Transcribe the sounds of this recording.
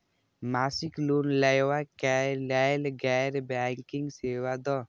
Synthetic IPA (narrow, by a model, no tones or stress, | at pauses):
maːsikluːnlajwakɛlɛlɡɛjɾbaːŋkiŋɡseːwad̪ɔ